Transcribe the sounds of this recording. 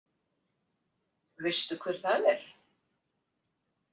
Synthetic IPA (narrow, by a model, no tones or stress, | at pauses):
vɪjst̪ʏkʰvɪɾ̥θaðɛɾ̥